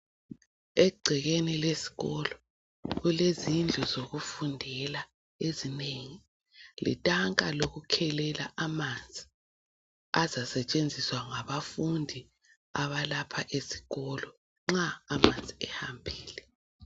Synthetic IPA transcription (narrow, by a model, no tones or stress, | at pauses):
ɛɡ͡ǀʱɛɣenilesi̥ɣɔlɔ | ɣulezind͡ɮʱɔzoɣufundʱɛla | ezineŋi | lḭtʼaŋkʼaloɣukʰɛlɛlaʔamand͡zʱi | azasɛt͡ʃʼend͡zʱiswaŋaβafundʱi | aβalapʰaʔesi̥ɣɔlɔ | ŋ͡ǁaːmand͡zʱiɛhambʱiːlɛ